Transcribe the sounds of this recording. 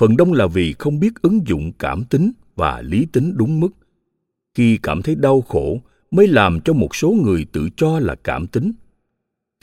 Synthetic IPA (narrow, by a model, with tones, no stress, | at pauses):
fə˨˩nɗə˧wŋ͡mlaː˨˩vi˨˩xə˧wŋ͡mɓi˦˥ət̚ʔɨ˨˦ŋzʊ̰˧˨ŋ͡mkaː˧˩mt̪ï˨˦ŋ̟ | va̰ː˨˩li˨˦t̪ï˨˦ŋ̟ɗʊ˨˦ŋ͡mmɨ˦˥k̚ | xi˧kaː˧˩mt̪ʰə˨˦jɗa˧wxo˧˩ | məː˨˦jlaː˨˩mt͡ɕɔ˧mo˨˩t̚so˨˦ŋɨ˨˩əjt̪ɨ̰˧˨t͡ɕɔ˧laː˨˩kaː˧˩mt̪ï˨˦ŋ̟